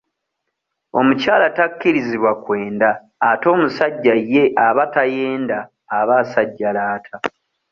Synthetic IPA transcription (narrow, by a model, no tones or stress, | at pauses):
o̞mucaːlatakːiɾiziβwakwe̞ːndaː | to̞ːmusaɟːajːe̞ʔaβataje̞ːndaː | βasaɟːalaːtʰa